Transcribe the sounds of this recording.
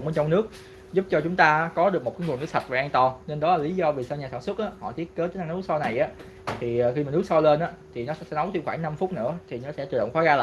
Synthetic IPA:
ŋ͡mɓe˧nt͡ɕɔ˧ŋ͡mnɨ˦˥ək̚ | zʊ˦˥p̚t͡ɕɔ˧t͡ɕʊ˨˦ŋ͡mt̪aː˧˦kɔ˨˦ɗɨ˨˩ək̚mo˨˩t̚kaː˨˦jŋ˨˩ənɨ˦˥tsʰt̚vaː˨˩ʔaː˧ŋt̪ɔ˧˩ne˧nɗɔ˨˦laː˨˩li˨˦zɔ˧ve˨˩səː˧ɲaː˨˩saː˧˩nswə˦˥t̚ʔaː˨˦hɔ̰˧˨t̪i˦˥ət̚kəː˨˦˨n˧ŋn˧˨˦ɨ˦˥sɔ˧na˨˩jʔaː˨˦ | t̪ʰiː˨˩˨xi˧maː˨˩nɨ˦˥ək̚sɔ˧le˧nʔaː˨˦t̪ʰi˨˩nɔ˨˦sɛ̰˧˥sɛ̰˧˥nə˨˦wt̪ɨ˧xwaː˧˩ŋna˧mfʊ˦˥t̚nɨ̰˧˥ət̪ʰi˨˩nɔ˨˦sɛ̰˧˥t̪ɨ˨˩ɗə̰˧wŋ͡mxɔ˨˦ɣaː˧lː

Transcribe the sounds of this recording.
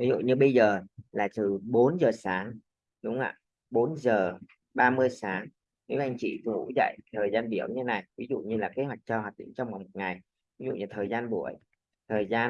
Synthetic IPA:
vi˨˦zṵ˧˨ɲɨ˧ɓə˧jzəː˨˩laː˨˩t̪ɨ˨˩ɓo˨˦nzəː˨˩saː˨˦ŋ | ɗʊ˨˦ŋ͡mʔa̰ː˧˨ | ɓo˨˦nzəː˨˩ | ɓaː˧mɨ˧əjsaː˨˦ŋ | i˨˦ʔa˧jŋ̟t͡ɕḭ˧˨t̪u˧˩˦zə̰˧˨jt̪ʰəː˨˩jzaː˧nɓi˧˩əwɲɨ˧t̪e˦na˨˩jvi˨˦zṵ˧˨ɲɨ˧laː˨˩ke˨˦hwa˨˩jk̚t͡ɕɔ˧hwaː˨˩t̚ɗḭ˧˨ŋ̟t͡ɕɔ˧wŋ͡mma˨˩wŋ͡mmo˨˩t̚ŋa˨˩j | vi˨˦zṵ˧˨ɲaː˨˩t̪ʰəː˨˩jzaː˧nɓu˧˩əj | t̪ʰəː˨˩jzaː˧

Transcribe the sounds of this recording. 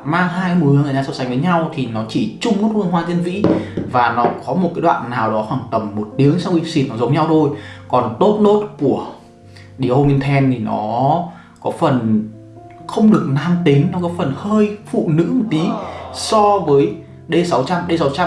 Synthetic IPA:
maː˧ŋɦaː˧jmu˨˦ə˨˧˨t̪a˧sa˨˦wsa˨˦ŋ̟vəː˨˦ɲa˧wt̪ʰi˨˩nɔ˨˦t͡ɕi˧˩t͡ɕʊ˧ŋ͡mku˦˥t̚wɨ˧əŋɦwaː˧t͡ɕ̪e˧nvḭ˧˥vaː˨˩nɔ˨˦kɔ˨˦mo˨˩t̚kaː˨˦jɗwa̰ː˧˨nːaː˨˩wɗɔ˨˦hwaː˧˩ŋt̪ə˨˩mːo˨˩t̚ɗi˨˦əŋsa˧wxi˧si˧˩kɔ˨˩zə˨˦wŋ͡mɲa˧wt̪ʰo˧jkɔ˨˩nt̪o˦˥t̚ɗo˦˥t̚ku˧˩ə | ɗi˨˧˩ʔo˧mi˧nt̪ʰɛ˧nt̪ʰi˨˩nɔ̰˨˦ | kɔ˨˦fə˨˩n | xə˧wŋ͡mɗɨ˨˩ək̚naː˧mt̪ï˨˦ŋ̟nɔ˨˦kɔ˨˦fə˨˩nhəː˧jfṵ˧˨nɨ̰˧˥mo˨˩t̚t̪ːi˨˦sɔ˧vəː˨˦j | ɗe˧sa˨˦wt͡ɕa˧mɗe˧sa˨˦wt͡ɕa˧

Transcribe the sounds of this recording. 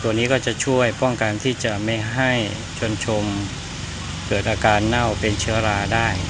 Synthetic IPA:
t̪u˧niː˦˥kɔː˥˩t͡ɕa˨˩t͡ɕʰu˥˩əjpɔ˥˩ŋka˧nt̪ʰiː˥˩t͡ɕa˨˩ma˥˩jɦa˥˩j | t͡ɕʰo˧nt͡ɕʰo˧m | kɤː˨˩t̪̚ʔaː˧kaː˧nːa˥˩wpe˧nt͡ɕʰɯ˦˥ɐɾaː˧daː˥˩j

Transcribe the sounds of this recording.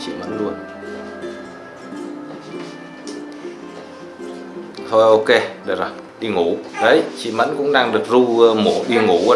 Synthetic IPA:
t͡ɕḭ˧˨mə̰˧˥nlu˧ən | t̪ʰo˧jʔo˧ke˧ɗə˧˨˩zɔ˨˩j | ɗi˧ŋu˧˩˦ɗə˨˦jt͡ɕḭ˧˨mə̰˧˥nkʊ̰˧˥ŋ͡mɗaː˧ŋɗɨ˨˩ək̚zu˧mo˧˩˦ɗi˧ŋu˧˩˦

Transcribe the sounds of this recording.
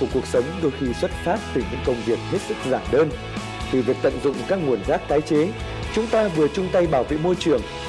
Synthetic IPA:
u˧˩əku˨˩ək̚sə˨˦wŋ͡mɗo˧jxi˧swə˦˥t̚faː˦˥p̚t̪ɨ˨˩ɲɨ̰˧˥ŋkə˧wŋ͡mvi˨˩ək̚he˦˥t̚sɨ˦˥k̚zaː˧˩mɗəː˧n | t̪ɨ˨˩vi˨˩ək̚t̪ə̰˧˨nzʊ̰˧˨ŋ͡mkaː˦˥k̚ŋu˨˩ənzaː˦˥k̚t̪aː˨˦jt͡ɕe˨˦ | t͡ɕʊ˨˦ŋ͡mt̪aː˧vɨ˨˩ət͡ɕʊ˧ŋ͡mt̪a˧jɓaː˧˩wvḛ˧˨mo˧jt͡ɕɨ˨˩əŋ

